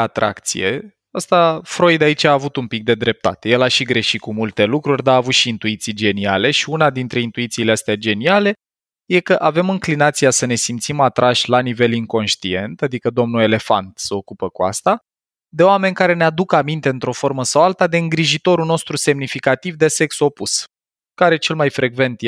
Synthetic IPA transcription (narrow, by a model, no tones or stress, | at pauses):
at̪ɾʔa̰kt̪sḭjḛ | ast̪afɾo̞jd̪ait͡ʃaːvut̪umpik̚d̪e̞d̪ɾe̞p̚t̪a̰t̪e̞je̞laʃiɡɾe̞ʃit̪̚kumult̪e̞lukɾurʲd̪aaːvut̪ʃiːnt̪uit̪sijd͡ʒe̞niale̞ʃiunad̪int̪ɾe̞int̪uit̪siːleast̪ead͡ʒe̞niale̞ | je̞kəʔave̞mɨŋklinat̪sijasəne̞simt̪simat̪ɾʔaʃʲlanive̞liŋko̞nʃt̪ḭe̞nt̪ad̪ikəd̪o̞mnue̞le̞fa̰nt̪seo̞kupəkua̰st̪a | d̪e̞oame̞nʲkaɾe̞nead̪ukəamint̪eɨnt̪ɾo̞fo̞ɾməsawalt̪ad̪e̞ɨŋɡɾiʒit̪o̞ɾuno̞st̪ɾuse̞mnifikat̪ivd̪e̞se̞kso̞pus | kaɾe̞t͡ʃe̞lmajfɾe̞ɡve̞nt̪je